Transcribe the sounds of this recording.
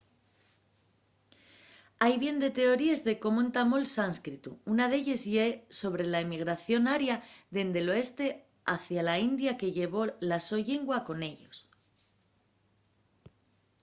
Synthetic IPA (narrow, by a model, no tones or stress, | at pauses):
ajβje̞nd̪e̞t̪e̞o̞ɾie̞zðe̞ko̞moent̪amo̞lsanskɾit̪uunað̞e̞ʎezʎeso̞β̞ɾe̞laemiɣ̞ɾaθjo̞naɾjaðe̞nd̪e̞lo̞e̞st̪e̞ | aθjalaind̪jake̞ʝe̞β̞o̞laso̞ʎeŋɡwako̞ne̞ʎos